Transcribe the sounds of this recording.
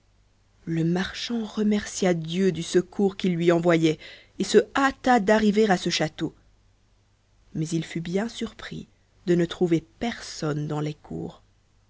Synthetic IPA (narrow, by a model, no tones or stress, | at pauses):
ləmaʁʃɑ̃ʁəmɛʁsjad̪jød̪ysəkʰuʁkʲilːɥiɑ̃vwajɛ | esəat̪ad̪aʁiveʁasəʃat̪o | mɛzilfybjɛ̃syʁpχḭ | d̪̥ənət̪χuvepɛʁsɔnd̪ɑ̃lɛkʰṵːʁ